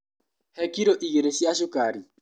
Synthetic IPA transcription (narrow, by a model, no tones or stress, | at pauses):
hɛkiɾoʔiɣeɾesiaʃ̬ʊkaɾi